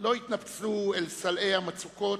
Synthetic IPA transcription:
lo̞it̪napt͡suelsalʔejhamat͡suko̞

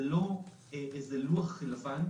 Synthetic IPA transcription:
lo | eʔezeluaχːilavan

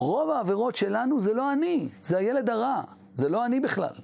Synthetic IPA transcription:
ʁo̞vaːveʁo̞tʃe̞lanuzelo̞anizeajele̞d̪aʁa | zelo̞anibiχla̰l

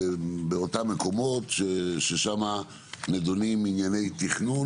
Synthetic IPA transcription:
beo̞tamːeko̞mo̞tʃeʃeʃama | ned̪oniminjane̞jt̪iχnu

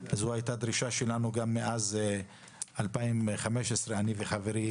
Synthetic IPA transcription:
azuajt̪ad̪ʁiʃaʃelanuɡamːeʔaz | alpaimχameʃesʁeaniveχave̞ʁi

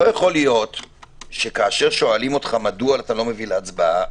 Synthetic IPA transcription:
ojaχo̞lijo̞t̪ʃe̞kaːʃe̞ʁʃo̞alimo̞tχamadualat̪alo̞me̞vileat͡sbaa

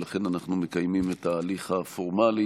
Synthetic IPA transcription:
laχe̞nanaχnume̞kajmimetaːliχafoʁmali

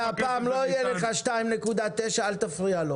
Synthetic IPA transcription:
apaːmlo̞ijeleχaʃtaimnekud̪at̪ːeʃaalt̪afʁialo

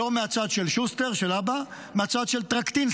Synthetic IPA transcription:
omeat͡sad̪ʃelʃust̪e̞ʁʃelaba | meat͡sad̪ʃelt̪ʁakt̪in

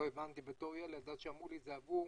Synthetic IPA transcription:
evant̪ibet̪oʁjalead̪at̪ʃeamulizeavu

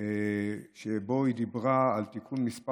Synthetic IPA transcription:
eʃebo̞id̪ibʁaːlt̪ikʰunmispa

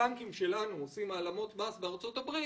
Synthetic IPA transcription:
aŋkimʃe̞lanuosimaːlamo̞t̪basbeaʁt͡so̞tabʁi

